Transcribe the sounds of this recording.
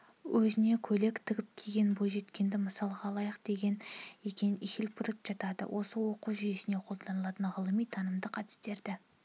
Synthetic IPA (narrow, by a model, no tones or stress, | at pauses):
wʔɵzɪne̞kʲʰɵle̞kt̪ʰɪɡʲɪp̚kʲʰeɡʲe̞nbo̞jʒe̞t̪kʲe̞nd̪ɪməsɑlˠʁɑːlˠɑjəq̚d̪̥e̞ɡʲe̞nekʲe̞nixɪlpɾɪt̪ʒ̥ɑt̪ɑd̪ə̰wʔo̞səwo̞quʒʏje̞sɪne̞qʰo̞lˠd̪ɑnəlˠɑt̪ənʁəlˠəmijt̪ʰɑnəmd̪əqʰɑt̪ɪ̥st̪e̞ɾd̪ɪ